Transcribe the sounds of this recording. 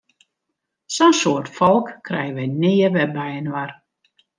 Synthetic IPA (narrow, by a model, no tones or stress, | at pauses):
sɔnsoərtfɔlˠkːrɛjəʋɛjnɪːəʋɛbɛjənʋar